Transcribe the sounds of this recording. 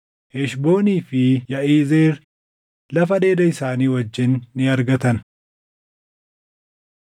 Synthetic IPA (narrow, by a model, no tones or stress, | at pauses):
hɛʃbo̞ːniːfɪjɐʔiːzeːɾ | lɐfɐᶑe̞ːd̪ɐɪsaːniːwɐd͡ʒːɪnːɪɐɾɡɐt̪ɐn